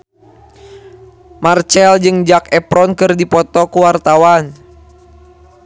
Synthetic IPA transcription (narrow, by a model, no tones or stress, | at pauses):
mart͡ʃɛld͡ʒɨŋd͡ʒakɛpɾɔnkɨrdipɔt̪ɔkuwart̪awan